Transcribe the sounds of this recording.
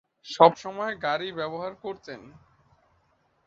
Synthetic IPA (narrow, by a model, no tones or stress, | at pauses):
ʃɔbʃɔmɔeɡaɾibɛboɦaɾkoɾt̪ʰen